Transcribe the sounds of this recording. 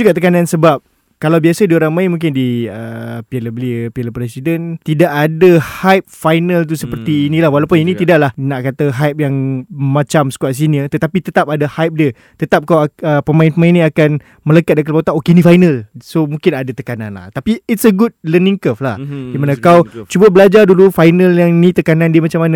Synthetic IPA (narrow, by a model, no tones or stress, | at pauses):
d͡ʒuɡaʔt̪əkanansəbap̚ | kalawbiasədioɾaŋmajmũŋk̬ɪndiəpiələbəliəpiələpɾɛsidənt̪idaʔadahajp̚fajnə̃lt̪̬usəpərt̪iːnĩlahwalawpʊninĩt̪idaʔlahnaʔkat̪aɦajp̚jaŋmãt͡ʃamsə̥kwaʔs̬iniət̪ət̪apit̪ət̪ap̚adahajp̚diə | t̪ət̪ap̚kawaəpəmaɪnpəmaĩnĩakan | mə̃ləkat̪̚dəkəlpot̪aʔokenĩfajnəlsomũŋkɪnadat̪əkana̰nla̰ht̪apiːt̚səɡut̪̚ləniŋkəfla̰hdimanãkawt͡ʃubəbəlad͡ʒardulufajnəljaŋnĩt̪əkanãndiəmat͡ʃamanə